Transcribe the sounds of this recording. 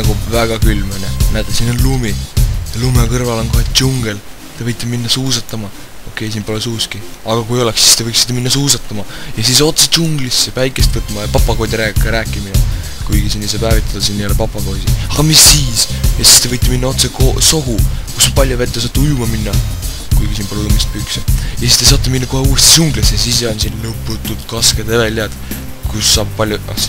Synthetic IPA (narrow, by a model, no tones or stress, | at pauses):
nɑɡ̥uvæɡ̥ɑkylmenenæt̪ːˑesinonlumit̪ɑlumekɤrvɑlo̞nkohet̪t͡ɕuŋɡ̥el | t̪e̞vɤjt̪ːˑeminːɑsuːsɑt̪ˑːɑmɑ | o̞kːˑe̞js̬iːnpo̞lesuːskiɑɡ̥ɑkujo̞leksi̥st̪e̞vɤjksid̪ɑminːɑsuːsɑt̪ːˑɑmɑjɑsis̬o̞t̪seuŋɡ̥lisːepæjkˑe̞st̪vɤt̪ːˑmɑjɑpɑpːɑko̞ːd̪ʲiɾeːɡekːˑeɾæːkˑːimid̪ɑ | kujɡ̥isinːisɑbæːvit̪ːˑɑd̪̥ɑsinːijolpɑpːˑɑko̞ːd̥̪ʲiɑɡ̥ɑmisːiːsjɑsi̥st̪e̞ɤjt̪ːˑeminːɑo̞t̪sekoso̞ɦukuspɑlʲjovet̪ːˑesɑːt̪ːujumɑminːɑ | kujɡisiːnpɑlujumist̪pyksejɑsist̪es̬ɑːt̪ːˑeminːɑko̞ɦeuːest̪isuŋɡlesesisjɑnsinlɤpːˑut̪ːˑud̪̥kɑsked̪evelʲeɑd̪̥ | kusːɑːb̚pɑlʲjuɑ̰